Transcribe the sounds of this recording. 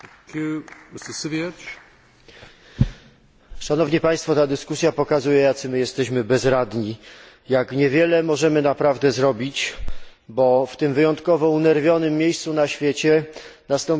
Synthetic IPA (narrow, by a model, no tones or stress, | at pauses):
kʰjumɪstəsɨviɛt͡ʃ | ʂanɔvɲipaj̃st̪fɔt̪ad̪ɘskus̬ʲjapɔkazujɛjat̪sɘmɘjɛst̪ɛɕmɘbɛzɾad̪ɲi | jakɲɛvʲjɛlɛmɔʐɛmɘnapɾavd̪ɛzɾɔbʲit͡ɕ | bɔft̪ɘmvɘjɔnt̪kɔvɔunɛɾvʲjɔnɘmːjejst̪sunaɕfʲjet͡ɕɛnast̪ɔm